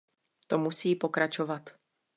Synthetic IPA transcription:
t̪o̞musiːpo̞kɾat͡ʃovat̪

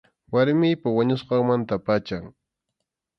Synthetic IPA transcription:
waɾmɪjpawaɲʊsqɑŋmant̪apat͡ʃaŋ

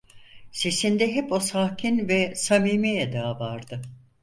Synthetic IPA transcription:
se̞sind̪ɛɦɛpo̞saːcʰinvɛsamiːmejɛd̪aːvaɾd̪ɯ

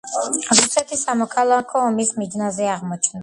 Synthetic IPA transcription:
ɾusɛt̪ʰisamɔkʰalˠakʰɔːmismid̪nazɛaʁmɔt͡ʃʰna

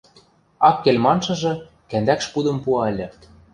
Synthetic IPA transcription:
ɑkːelʲmɑnʃɤ̆ʒɤ̆ | kænd̪ækʃpud̪ɤ̆mpuɑɘ̆lʲɘ̆

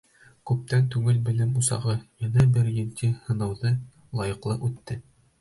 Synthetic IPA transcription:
kʉp̚t̪ænt̪ʉɡɘlbɘ̆lɘmusɑ̰ʁɤjɤnɤbɘɾjɘ̆lt̪ʰihɤ̆nɤ̆wðɤ | lˠɑjɤ̆qlˠɤʔʉt̪ːɘ

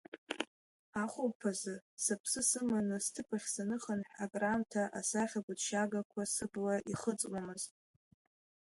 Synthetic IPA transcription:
aχʷʊwpʰazɨsapʰsɨsɨmanɨstʰɨpʰʼaχʲsanɨχanħᶣaɡʼramtʰaʔasaχʲaɡʷʊdʃaɡakʷʰasɨblaʔiχət͡sʼwʷamɨztʼ

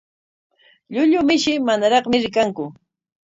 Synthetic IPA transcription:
ʎʊʎʊmɪʃɪmanaɾɑχmɪɾɪkaŋkʊ

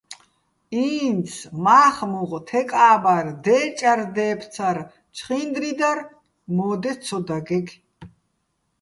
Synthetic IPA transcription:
iːnsʰmaːχmuʁʼt̪ʰɛkʼaːbard̪ɛːt͡ʃʼaɾd̪ɛːpʰt͡sʰaɾ | t͡ʃʰχind̪ɾid̪aɾ | mɔːd̪ɛt͡sʰɔd̪aɡɛɡ

